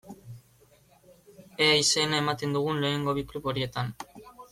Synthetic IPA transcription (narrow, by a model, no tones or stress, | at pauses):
eaise̞nae̞mat̪e̞nd̪uɣ̞unle̞ːŋɡo̞βiklupo̞ɾie̞t̪an